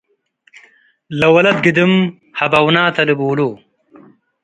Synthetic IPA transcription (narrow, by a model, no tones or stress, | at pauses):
lɐwɐlɐd̪̚ɡid̪im | hɐbɐwnaːt̪ɐlibuːloː